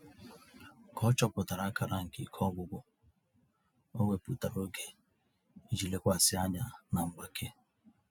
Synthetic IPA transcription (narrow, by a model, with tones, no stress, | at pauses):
kʰɔ˦t͡ʃɔ˦pʊ˨ta˨ɾa˦ka˨ɾa˦ŋ̩˨ki˨kʰɔ˦ɡʷʊ˨ɡʷʊ˦ | o˦ŋʷe˦pu˨ta˨ɾo˦ɡe˨ | i˦d͡ʒi˨le˦kʷa˦˨sɪ˦a˦ɲa˨na˨ŋ͡m̩˨ɡ͡ba˨kʰe˦